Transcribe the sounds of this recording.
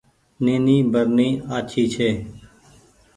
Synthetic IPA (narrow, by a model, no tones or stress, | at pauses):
neːniːbəɾnĩːaːt͡ʃʰiːt͡ʃʰeː